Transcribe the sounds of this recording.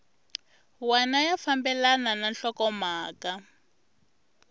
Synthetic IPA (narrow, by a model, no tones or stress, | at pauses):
wanajafambɛlanananɬɔkɔmaːka